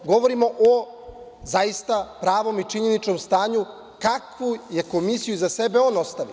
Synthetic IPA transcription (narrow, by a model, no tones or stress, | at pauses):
ɡo̞ʋoɾimo̞ʔo | zajist̪apɾaːʋo̞mit͡ʂiɲe̞nit͡ʃno̞mst̪aːɲu | kakʋuje̞ko̞misijuzase̞be̞o̞ːno̞st̪aʋi